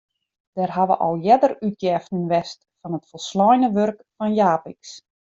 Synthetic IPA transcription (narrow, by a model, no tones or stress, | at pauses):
d̥ɛrɦaʋə̰ʔɔ̰lˠjɛdəryt̚jɛːftnənʋɛst | fɔnətfɔlˠslɔjnəʋørkfɔnjaːpiks